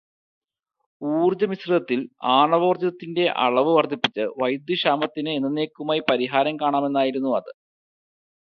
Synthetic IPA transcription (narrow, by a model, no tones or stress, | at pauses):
uːrd͡ʑɐmisriðɐt̪ːilaːɳɐʋo̞ːrd͡ʑɐðɐt̪ːinde̞ʔɐ̰ɭɐʋɨʋɐrd̪ʱipːit͡ɕːɨʋɐjd̪juɕaːmɐt̪ːinɨenːɐne̞ːkːumaːjipɐɾiɦaːɾɐmkaːɳaːme̞nːaːjiɾunːuɐðɨ